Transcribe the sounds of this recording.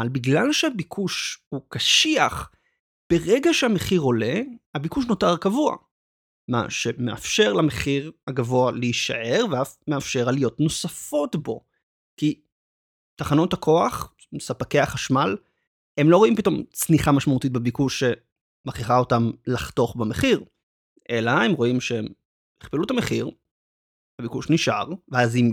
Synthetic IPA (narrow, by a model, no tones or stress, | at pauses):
albiɡlalʃehabikʰuʃhukaʃiaχ | b̥e̞ʁeɡaʃehameχiʁo̞le̞habikuʃ̬no̞taʁkavua̰ | ma̰ʃe̞meʔa̰fʃe̞ʁlame̞χiʁhaɡavoaleiʃa̰ʔe̞ʁveameafʃe̞ʁalijo̞tno̞safo̞tbo̞̰ | ki | taχano̞thakʰoaχ | msapakeaχaʃmal | he̞mlo̞ʁoimpito̞mt͡sniχamaʃmautit̚bebikuʃːe̞ | maχiχao̞tamlaχto̞χbemeχiʁ | ʔelahe̞mʁo̞imʃem | eχpelutameχiʁ | habikuʃniʃʔa̰ʁveazim